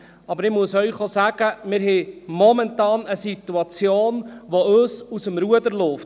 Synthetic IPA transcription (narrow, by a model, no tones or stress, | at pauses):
ɑbəɾɪmuəsœɥχosæːɡ̥əmɪːɾɦɛmɔmɛntɑːnəsit̪ːuɑt͡sjoːnʋoøsusəmɾuəd̪əɾlof